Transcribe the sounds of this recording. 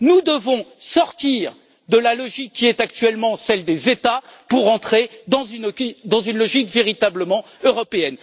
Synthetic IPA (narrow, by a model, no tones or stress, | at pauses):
nud̪əvɔ̃sɔʁt̪iʁ | d̪əlalɔʒikʰːiɛt̪akt̪ɥɛlmɑ̃sɛld̪ezet̪apuʁɑ̃t̪χed̪ɑ̃znd̪ɑ̃zynlɔʒikveʁit̪abləmɑ̃ | øʁɔpeɛn